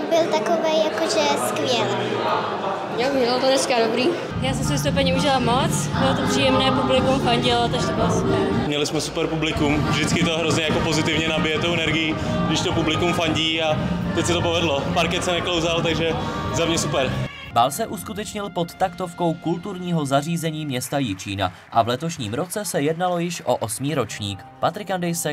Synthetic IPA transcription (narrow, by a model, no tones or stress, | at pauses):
bɪlt̪akovɛjakoʒɛskvɪɛl | joɲɛɛlt̪onɛskadobɾiː | jaːsɛmsvɪs̬t̪up̬ɛɲiuʒɪlamot͡sbɪlot̪opr̥iːjɛmnɛːpublɪkumfaɲɟɪloat̪oʃt̪obɪlasupɛɾmɲɛlɪsmɛsu̥pɛɾpublɪkumvʒdɪt͡skɪt̪oɦɾozɲɛjakopozɪt̪ɪvɲɛnabɪjɛt̪owʔɛnɛɾɡɪji | ɡdɪʃt̪opublɪkumfaɲɟiːat̪ɛcsɪt̪opovɛdlopaɾkɛt̪sɛnɛklowzalt̪aɡʒɛzamɲɛsupɛɾ | baːlsɛʔuskut̪ɛt͡ʃɲɪlpo̞t̪ːakt̪o̞fko̞wkult̪uɾɲiːɦo̞zariːzɛɲiːmɲɛst̪ajɪt͡ʃiːna̰ | ʔavlɛt̪o̞ʃɲiːmɾo̞t͡sɛsɛjɛdnalo̞jɪʃʔo̞̰ʔosmiːɾo̞t͡ʃɲiːk | pat̪ɾɪkandɛjsɛ